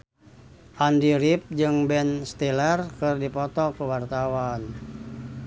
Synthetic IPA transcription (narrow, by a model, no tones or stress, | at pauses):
ʔandiɾip̚d͡ʒɨŋbɛnst̪ilɛrkɨrdipɔt̪ɔkəwart̪awan